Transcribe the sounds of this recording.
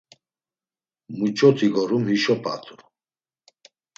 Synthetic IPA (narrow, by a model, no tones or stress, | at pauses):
mut͡ʃʰʼɔt̪ʰiɡɔɾumhiʃɔpʰʼa̰t̪ʰʼu